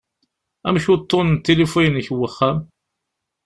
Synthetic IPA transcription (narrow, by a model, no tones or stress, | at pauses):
æmʃut̪ˤːont̪ːelifujnçwːəχːæm